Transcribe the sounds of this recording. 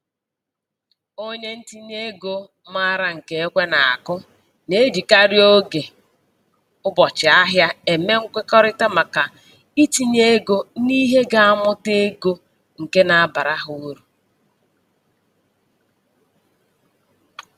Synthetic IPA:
o˦ɲe˦n̩˦ti˦ɲe˦ɡo˦ | ma˦ɾa˨ŋ̩˨ke˨e˦kʷe˦na˨a̰˨kʊ˦ | ne˦di˨ka˦ɾjo˦ɡe˨ | ʊ˦bɔ˨t͡ʃɪ˨a˦ɦja˦e˨me˦ŋ̩˦kʷɪ˦kɔ˦ɾɪ˦ta˦ma˨ka˨ | i˦ti˦ɲe˦ɡo˦ni˦ɦe˦ɡa˦a˦mʊ˦te˦ɡo˦ | ŋ̩˨ke˦na˨a˦˨ba˨ɾa˦ɦʊ˨˦ɾu˨

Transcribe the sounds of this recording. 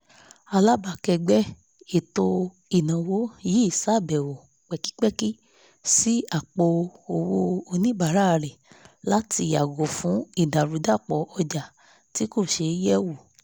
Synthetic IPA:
a˧la˦ba˨kɛ˧ɡ͡bɛ˦ | e˨to˧ | i˨nã˨wo˦ji˦i˦˨sa˦˨bɛ˨wo˨ | k͡pɛ˨ki̥˦k͡pɛ˦ki˦ | si˦a˦˨k͡po˧o˨wo˧o˧nĩ˦ba˨ɾa˦˨ɾɛ˨la˦ti˧˦a˨ɡo˨fũ˨˦i˦˨da˨ɾu˨˦da˦˨k͡pɔ˨ɔ˧d͡ʒa˨ | ti˨˦ko˦˨ʃe˧˦jɛ˦wo˨

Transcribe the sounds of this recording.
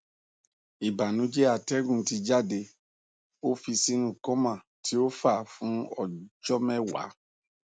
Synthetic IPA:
i˨ba˨nũ˨˦d͡ʒe˦a˨tɛ˦ɡũ˦˨˦ti˧d͡ʒa˦de˧ | o˦fi˧si˦nũ˦˨kɔ̃˦mã˦˨ | ti˨˦o˦fa˦˨fũ˨˦ɔ̰˨d͡ʒɔ˦mɛ̃˦wa̰˨˦

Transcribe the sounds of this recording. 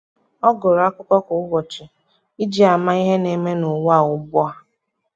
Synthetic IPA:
ɔ˦ɡʊ˨ɾa˦kʊ˦kɔ˦kʊ˨ʊ˦ɡɔ˨t͡ʃɪ˨ | i˦d͡ʒi˦a˨ma˦i˦ɦe˦ne˨me˦nʊ˨wa˦˨ʊ˦bɔ˦a˦

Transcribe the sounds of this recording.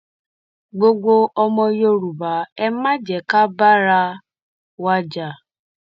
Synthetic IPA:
ɡ͡bo˦ɡ͡bo˧ɔ˦mɔ̃˧jo˦ɾu˨ba˨˦ɛ˦ma˦d͡ʒɛ˨ka˦ba˦ɾa˧ | wa˦d͡ʒa˨

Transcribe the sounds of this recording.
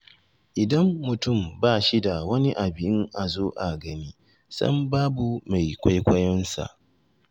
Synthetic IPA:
ʔɪ˨dɐ˦mːʊ˨tʊ˦˨mbaː˦˨ʃi˦da˨wɐ˦ni˦ʔa˨bɪ˨jɪ˦ŋʔa˨zoː˦ʔa˨ɡɐ˦niː˦ | sɐ̰˦mbaː˦bu˨ma˨jkʷa˦jkʷɐ˦jɔ˦nsa̰˨ʔ

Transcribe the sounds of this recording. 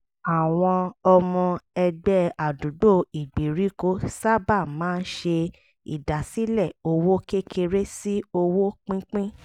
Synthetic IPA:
a˨w̃ɔ̃˧ɔ˧mɔ̃˧ɛ˧ɡ͡bɛ˦a˨du˨˦do˦˨i˨ɡ͡bi˨ɾi˨˦ko˦sa˦˨ba˦˨mãː˦n̩˦ʃe˧ | ḭ˨da˨si˦lɛ˦˨o˧wo˦ke˦kʰe˧ɾe˦si˦o˧wo˦k͡pĩ˦k͡pĩ˦

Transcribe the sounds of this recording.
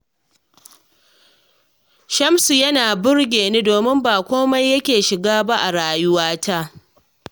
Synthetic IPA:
ʃɐ˦msu˨jɐ˦naː˨bʊ˦rɡʲeː˨neː˦doː˨mɪ˦mbaː˨kʷoː˦ma˦jːɐ˦kʲeː˨ʃɪ˨ɡaː˦ba˦ʔa˨ɽaː˨jʊ˦waː˦ta˦ʔ

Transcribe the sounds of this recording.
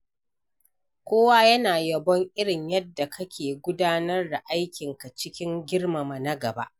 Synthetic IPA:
kʷoː˦waː˦jɐ˦naː˨jɐ˨bɔ˦ŋʔɪ˦ɽɪ˨ɲjɐ˦dːa˨kʰɐ˦kʲeː˨ɡʷʊ˦daː˦nɐ˦rda˨ʔa˦jkʲɪ˨ŋka˨t͡ʃɪ˦kʲɪ˦ŋɡʲɪ˦ɽma˨ma˨na˦ɡɐ˨ba̰˦ʔ

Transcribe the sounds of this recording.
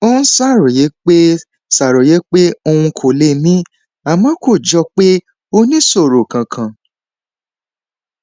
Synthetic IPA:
o˦ñ̩˦sa˦˨ɾo˨je˨˦k͡pe˦ | sa˨ɾo˨je˨˦k͡pe˦o˧ũ˧kʰo˨le˧˨mĩ˦ | a˨mã˨˦ko˦˨d͡ʒɔ˧k͡pe˦ | o˧nĩ˦so˦˨ɾo˨kã˨kʰã˨

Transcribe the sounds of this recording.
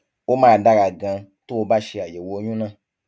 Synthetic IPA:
wo˦mãː˦˧˨da˦ɡa˧ɡã˧ | to˦wo˧˦ba˦ʃe˧a˨je˨wo˧˦ɲũ˦nã˧

